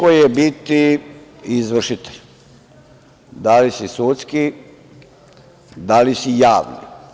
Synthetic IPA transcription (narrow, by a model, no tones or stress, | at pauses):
kojjebit̪i | izʋr̩ʃit̪e̥ʎ | d̪alisisut̪ski | d̪alisijaːʋnḭ